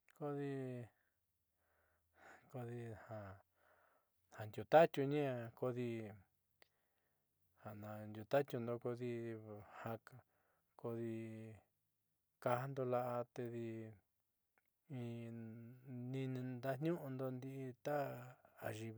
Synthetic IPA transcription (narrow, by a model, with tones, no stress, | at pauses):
ko˧ði˧ | ko˧ði˧hã˧ | hã˨nd̪ʲju˧t̪a˦t̪ʲju˧ɲĩ˦ã˧ko˧ði˧ | ha˨ʔnã˧nd̪ʲju˧t̪a˦t̪ju˧nd̪o˧ko˧ði˧ha˧ | ko˧ði˧ | ka˧ha˧nd̪o˧la˧ʔa˧t̪e˧ði˧ | ĩ˧ | nĩ˧nĩ˧d̪a˦n̥ɲũ˦ʔũ˧nd̪o˧nd̪i˧t̪a˦a˨ʒi˧